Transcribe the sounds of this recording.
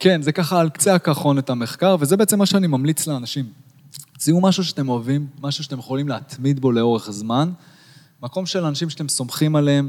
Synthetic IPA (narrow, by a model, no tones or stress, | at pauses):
ke̞nzekaχaːlkt͡seakaχo̞net̪ame̞χkaʁve̞zebeet͡se̞mːaʃeanimamlit͡sleanaʃim | t͡siumaʃuʃeat̪e̞mo̞avimːaʃuʃat̪e̞mjeχolimleat̪mid̪bo̞le̞o̞ʁe̞χzman | mako̞mʃe̞lanaʃimʃat̪e̞mso̞mχimaleem